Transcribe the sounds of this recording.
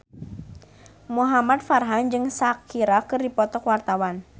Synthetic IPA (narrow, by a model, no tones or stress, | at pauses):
muɦamad̪̚farɦand͡ʒɨŋsakʰiɾakɨrdipɔt̪ɔkwart̪awan